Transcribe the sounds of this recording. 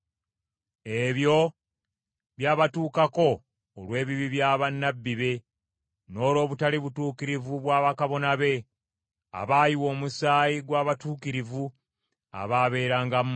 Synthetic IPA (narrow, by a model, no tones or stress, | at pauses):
e̞βjo̞ | βjaːβatuːkako̞ː | lwe̞ːβiβiβjaːβanːabːiβe̞ | no̞ːlo̞ːβutaliβutuːkiɾivuβwaːβakaβo̞naβe̞ | a̰βaːjiwo̞ːmusaːjiɡwaːβatuːkiɾivu | a̰βaːβe̞ːɾaːŋɡam